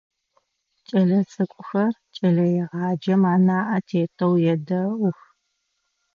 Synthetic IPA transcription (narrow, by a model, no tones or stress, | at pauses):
t͡ʃʼɐɮɐt͡sʼɨkʷʼʊxɐrt͡ʃʼɐɮɐjɛʁɑːd͡ʒɐmaːnaːʔɐtʰeːtʰɐwjɛdɐʊx